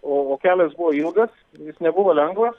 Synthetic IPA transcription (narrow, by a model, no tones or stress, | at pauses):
oːoːkʲæːlʲɛsbʊʋoːilˠɡɐs | jɪsnʲɛbʊʋoːlʲɛŋɡʋɐs